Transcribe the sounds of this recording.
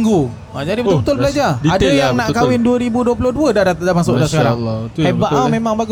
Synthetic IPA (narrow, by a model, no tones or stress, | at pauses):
ŋɡu | ad͡ʒadibət̪ʊlbət̪ʊlbəlad͡ʒadadajaŋnaʔkawɪnduəɾibuduəp̬ulʊhduədadat̪adamaŋsʊʔdasəkaɾaebaʔamemaŋbaɡʊ